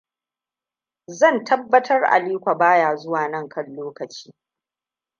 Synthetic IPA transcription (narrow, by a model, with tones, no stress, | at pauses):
zɐ˦˨ntɐ˦bːɐ˦tʰɐ˦rʔa̰˨liː˦kʷa˨baː˦jaː˨zʊ˦waː˨nɐ˦ŋkʰɐ˦nloː˦kɐ˨t͡ʃi̥ː˦